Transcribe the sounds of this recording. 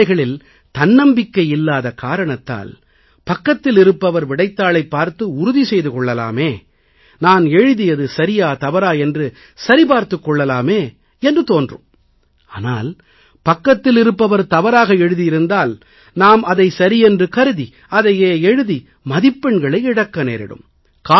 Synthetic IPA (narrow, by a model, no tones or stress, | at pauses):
ɐɪɣɐɭɪl | t̪ɐnːɐmbɪkːɐjɪlːaːðɐkaːɾɐɳɐt̪ːa̰ːl | pɐkːɐt̪ːɪlɪɾɯpːɐʋɐɾʋɪɽɐɪt̪ːaːɭɐɪpːaːɾt̪ɯʊɾʊðisɛjðɯkɔɭːɐla̰ːmeː | naːnɛɻɯðɪjɐðɯsɐɾɪjaːt̪ɐʋɐɾaːɛndrɯ | sɐɾipaːɾt̪ɯkːɔɭːɐlaːmeː | ɛndrɯt̪oːndrɯ̰m | aːnaːl | pɐkːɐt̪ːɪlɪɾɯpːɐʋɐɾt̪ɐʋɐɾaːɣɐɛɻɯðɪjɪɾɯnd̪aːl | naːmɐðɐɪsɐɾɪɛndrɯkɐɾɯði | ɐðɐjeːɛɻɯði | mɐðɪpːɛɳɡɐɭɐɪɪɽɐkːɐnḛːɾɪ̰ɽɯ̰m | kaː